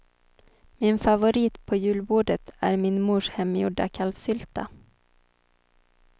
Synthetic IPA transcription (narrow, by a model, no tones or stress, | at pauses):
mɪnfavʊɾiːt̪pʰɔjʉ̟ːlbuːɖət̪ʰæ̰ɾmɪnmuːʂhɛmːjʊ̰ɖakʰalfsʏlt̪a̰